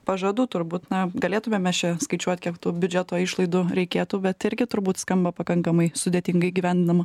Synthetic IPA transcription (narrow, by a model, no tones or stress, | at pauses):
pɐʒɐd̪uːt̪ʊɾbuːt̪nɐɡɐlʲeːt̪ʊmʲeːmʲɛt͡ʃʲɛskɐɪt͡ʃʲuɔt̪ʲkʲiɛkt̪uːbʲʊd͡ʒʲɛt̪oːɪʃlˠɐɪd̪ʊɾʲɛɪkʲeːt̪uːbʲɛtt̪ɪɾʲɡʲɪt̪ʊɾbuːt̪skɐmbɐpɐkɐŋkɐmɐɪsʊd̪ʲeːt̪ʲɪŋɡɐɪɡʲiːʋʲæˑnʲd̪ʲɪnɐmɐ